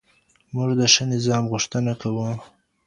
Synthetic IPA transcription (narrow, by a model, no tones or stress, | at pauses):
muʐd̪əʂənɪzɑmɣʊʂt̪ənakawu